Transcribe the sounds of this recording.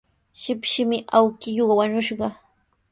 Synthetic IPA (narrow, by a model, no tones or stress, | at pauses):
ʃɪpʃɪmɪʔawkɪjoɢɑwaɲʊʃɢɑ